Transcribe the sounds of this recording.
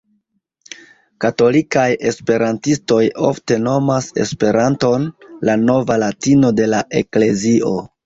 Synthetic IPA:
kato̞likaje̞spe̞ɾantisto̞jofte̞no̞mase̞̰spe̞ɾanto̞nlano̞valatino̞de̞laʔe̞kle̞zio̞

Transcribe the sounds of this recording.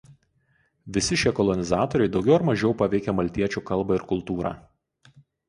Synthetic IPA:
ʋʲɪsʲɪʃʲiɛkɔlˠɔnʲɪzɑːt̪ɔɾʲɛɪd̪ɒʊɡʲɛʊɾmɐʒʲɛʊpɐʋʲɛɪkʲɛmɐlʲt̪ʲiɛt͡ʃʲuːkɐlˠbɐɪɾkʊlˠt̪uːɾɑ̰ː

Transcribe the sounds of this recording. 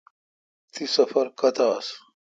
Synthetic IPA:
t̪isɐfəɾkɐt̪aːs

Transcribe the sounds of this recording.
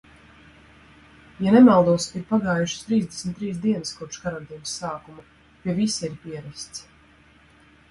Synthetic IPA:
janɛmalˠd̪uɔsiɾpaɡaːjuʃə̥st̪ɾiːzd̪esmʲt̪ːɾiːs̬d̪iɛnəskɔpʃkaɾant̪iːnəsːaːkumu | piɛvisiiɾpiɛɾɛst̪s

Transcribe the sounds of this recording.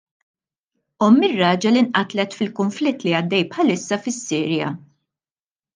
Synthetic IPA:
ɔmːɪrːɐːd͡ʒɐlinʔɐt̪lɛt̪fɪlkʊɱflɪt̪ːliɐd̪ːɛjpħɐlɪsːɐfɪsːɪːɾjɐ̰

